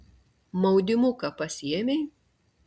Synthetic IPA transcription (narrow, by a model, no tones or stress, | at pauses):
mɐʊd̪ʲɪmʊkɐpɐsʲɪɛmʲɛɪ